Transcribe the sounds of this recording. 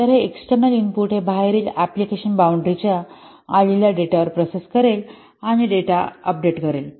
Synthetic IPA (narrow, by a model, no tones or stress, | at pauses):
t̪əɾɦeeksʈəɾnəlimpuʈɦebʱaɦeɾiːlæplikeɕənbawɳɖɾit͡ɕjaː | liljaɖeʈaʋəɾpɾoseskəɾel | aɽ̃iɖeʈaəp̚ɖeʈkəɾel